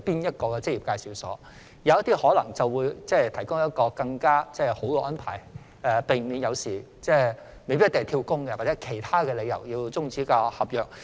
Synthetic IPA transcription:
piː˥njɐ˥t̚kɔː˧kɛː˧t͡sɪ˥k̚ji˨pkaː˧jsiː˨˧wsɔ̰ː˨˥ | jɐ˨˧wjɐ˥t̪iː˥hɔː˨˥lɐ̰˨˩ŋt͡sɐ˨wwuː˨˧jt͡sɛː˥t̪ʰɐ˨˩jkʊ˥ŋɐ˥t̚kɔː˧kɐ˧ŋkaː˥t͡sɛː˥˩ho˨˥wkɔː˧ʔɐ˥npʰaː˨˩j | ɛː˧pe˨˩jmiː˨˧njɐ˨˧wsiː˨˩ | t͡sɛː˥˩ | me˨jpi˥t̪e˨ŋ˨˩t̪ʰiː˧wkʊ˥ŋkɛ˧wa˨˩t͡sɛ˨˦˥kʰe˨˩jt̪ʰaː˥kɛː˧le˨˧jɐ̰˨˩wjiː˧wt͡sʊ˥ŋt͡siː˨˥kaː˧hɐ˨p̚jœː˨k̚

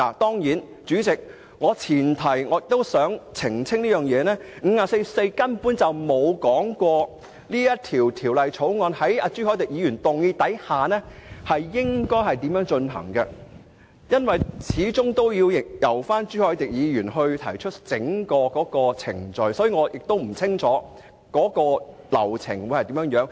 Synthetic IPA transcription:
aː˨˩t̪ɔː˥ŋjiː˨˥n | t͡ʃyː˨˥t͡sɪ˨k̚ | ŋɔː˨˧t͡sʰiː˨˩nt̪ʰɐ˨˩jŋɔː˨˧jɪ˨t̪ːo˥wsœː˨˥ŋt͡sʰɪ˨˩ŋt͡sʰɪ˥ŋliː˥jœː˨˩ŋjɛː˨˧nɛː˥ŋ̩˨˧˥aː˧se˧jse˧jkɐ˥npuː˨˥nt͡sɐ˨wmo˨˧wkɔː˨˥ŋkʷɔː˧ | liː˥jɐ˥t̚t̪ʰiː˨˩wt̪ʰiː˨˩wlɐ˨jt͡ʃʰo˨˥wŋɔː˧nhɐ˨˥ja˧t͡ʃyː˥hɔː˨˥t̪ɪ˨k̚jiː˨˧jyː˨˩nt̪ʊ˨ŋjiː˧t̪ɐ˨˥jhaː˨nɛː˥hɐ˨jːɪ˥ŋkɔː˥jɦɐ˨jt̪i˨˥mjœː˨˥ŋt͡ʃɵ˧nɦɐ̰˨˩ŋkɐ˧ | jɐ˥nwɐ˨jt͡sʰiː˨˥t͡sʊ˥ŋt̪o˥wjiː˧wjɪ˨jɐ˨˩wfaː˥nt͡ʃyː˥hɔː˨˥jt̪ɪ˨k̚jiː˨˧jyː˨˩nhɵ˧ɥt̪ʰɐ˨˩jt͡ʃʰɵ˥t̚t͡sɪ˨˥ŋkɔː˧kɔː˨˥kɔː˧t͡sʰɪ˨˩ŋt͡ʃɵ˨ɥsɔː˨˥jiː˧ŋɔː˨˧jɪ˨k̚t̪o˥wm̩˨˩t͡sʰɪ˥ŋt͡sʰɔː˨˥ | kɔː˨˥kɔː˧ | lɐ̰˨˩wt͡sʰɪ˨˩ŋwu˨˧hɐ˨jt̪i˨˥mjœː˧˥ŋjœː˨˥ŋ

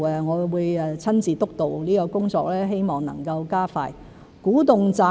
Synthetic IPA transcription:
ɛ˨˧ŋɔː˨˧wuː˨˧jɛ˧t͡sʰɐ˥nt͡siː˨˧t̪ʊ˥k̚t̪o˨wliː˥kɔː˧kʊ˥ŋt͡sɔː˧k̚lɛː˥ɦe˥jmɔː˨˩ŋnɐ̰˨˩ŋkɐ˧wkaː˥fa̰ː˧j | kuː˨˥t̪ʊ˨ŋt͡saː˧

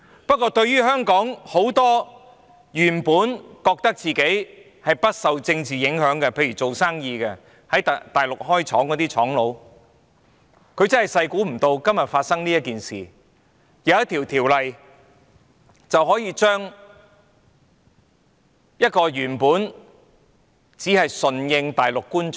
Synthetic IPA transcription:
pɐ˥t̚kːɔː˧t̪ɵ˧ɥjɥyː˥hœː˥ŋkɔː˨˥ŋho˨˥wt̪ɔː˥ | jyː˨˩npuː˨˥nkɔː˧k̚t̪ɐ˥k̚t͡siː˨ke˨˥j | hɐ˨jpɐ˥t̚sɐ˨wt͡sɪ˧ŋt͡siː˨jɪ˨˥ŋɦœː˨˥ŋkɛ˧pʰe˧jɥyː˨˩t͡so˨wsaː˥ŋjiː˧kɛ˧ | hɐ˨˥jt̪aː˨jlʊ˨k̚hɔː˥jt͡ʃʰɔː˨˥ŋkɔː˨˥t̪iː˥t͡ʃʰɔː˨˥ŋlo˨˧w | kʰɵ˨˧ɥt͡sɐ˥nhɐ˨˩jsɐ˧jkuː˨˥m̩˨˩t̪o˧wkɐ˥mjɐ˨t̚faː˧t̚sɐ˥ŋniː˥jɐ˥t̚kiː˨nsḭː˨ | jɐ˨˧wɐ˥t̪ʰiː˨˩wt̪ʰiː˨˩wlɐ˨j | t͡sɐ˨wɦɔː˨˥jiː˧t͡ʃœː˥ŋ | jɐ˥t̚kɔː˧jyː˨˩npuː˨˥n | t͡siː˨˥hɐ˨jsɵ˨njɪ˧ŋt̪aː˨jlʊ˨kːuː˥n

